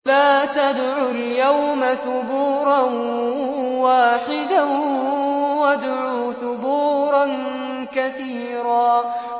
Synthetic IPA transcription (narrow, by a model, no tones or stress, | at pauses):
laːt̪ad̪ʕʊljawmaθʊbuːɾˤɑn | waːħɪd̪a | wad̪ʕuːθʊbuːɾˤɑn | kaθiː | ɾaː